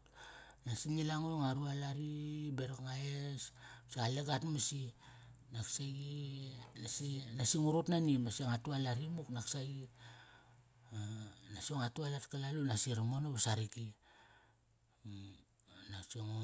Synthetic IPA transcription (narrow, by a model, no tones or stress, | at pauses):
nasiŋilaŋujŋaɾualaɾibeɾokŋaesmsialeɡatmasi | naksaɡinasinasiŋuɾutnanimasioŋatualaɾimuknaksaɡi | nasioŋatualatkalalunasiɾamonoβasaɾiki | nasioŋo